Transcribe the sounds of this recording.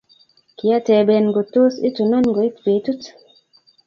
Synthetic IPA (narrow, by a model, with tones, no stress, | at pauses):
ki˨a˦tɛ˨bɛ˨nɡo˨to˦sḭ˦tu˨nɔ˦nɡɔ˨i˦tpe˨˦tu˦t